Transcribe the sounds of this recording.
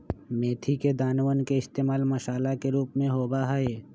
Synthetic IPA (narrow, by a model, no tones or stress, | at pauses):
meːt̪ʰiked̪aːnwənkeɪst̪eːmaːlmɐʃaːlakeɾuːpmẽɦoːbaɦəe